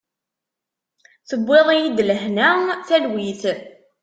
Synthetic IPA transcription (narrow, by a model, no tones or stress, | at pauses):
θəbːeðˤijid̪ləhnæθælwiθ